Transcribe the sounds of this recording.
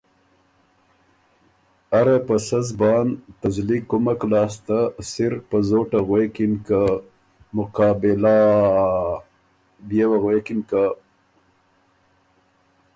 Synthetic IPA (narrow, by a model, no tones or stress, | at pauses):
aɾapəsazbɑːnt̪azlikumaklɑːst̪asɪɾpəzoʈaɣwekɪnka | mʊqɑːbɪla | bjewaɣwekɪnka